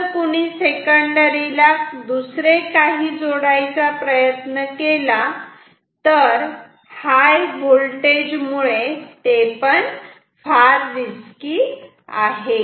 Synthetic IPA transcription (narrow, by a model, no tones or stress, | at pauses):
kuɽ̃iːsekəɳɖəɾilad̪usɾekaɦiːd͡zoɽajt͡sapɾəjət̪nəkela | t̪əɾ | hajbolʈed͡ʑmuɭet̪epəɳ | faɾʋiskiː | a̰ɦe